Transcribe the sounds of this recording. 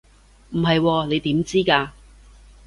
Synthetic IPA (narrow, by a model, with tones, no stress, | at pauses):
m̩˨˩ɦɐ˨jwɔː˧ne˨˧jt̪iː˨˥mt͡siː˥kaː˧